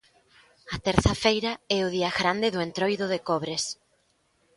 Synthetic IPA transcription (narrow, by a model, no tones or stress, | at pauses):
ɐt̪ɛɾθafejɾɐɛʊð̞iɐɣɾand̪ɪðʊent̪ɾojðʊðekɔβɾes